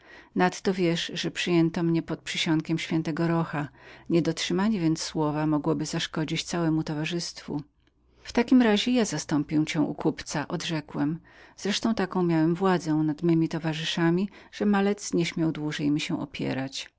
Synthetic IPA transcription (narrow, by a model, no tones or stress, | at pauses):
nat̪ːɔvʲjɛʂʐɛpʂɨjɛnt̪ɔmɲɛpɔt̪̚pʂɨɕɔŋkʲɛmɕfʲjɛnt̪ɛɡɔɾɔxaɲɛd̪ɔtʂɘmaɲɛvʲjɛnt̪ssːwɔvamɔɡwɔbɘzaʂkɔd͡ʑit͡ɕt̪sawɛmut̪ɔvaʐɘst̪fṵ | ft̪akʲimɾaʑɛjazast̪ɔmpʲĩt͡ɕɛ̃ʔṵkupt̪saʔɔd̪ʐɛkwɛmz̥ɾɛʂt̪ɔ̃w̃t̪akɔ̃w̃mʲjawɛmvwad̪zɛ̃nad̪mɘmʲit̪ɔvaʐɨʂamʲiʐ̥ɛmalɛt̪sɲɛɕmʲjawd̪wuʐɛjmʲiɕɛ̃ʔɔ̰pʲjɛ̰ɾat͡ɕ